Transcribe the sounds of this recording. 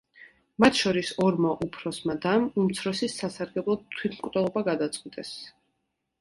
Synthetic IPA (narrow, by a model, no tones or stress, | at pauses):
mat̪ʰʃɔɾisɔɾmaʔupʰɾɔsmad̪amumt̪sʰɾɔsisːasaɾɡɛblˠɔt̪ʰːwit̪ʰmkʼd̪ʼɛɔbaɡad̪at̪sʼqʼwit̪ʼɛs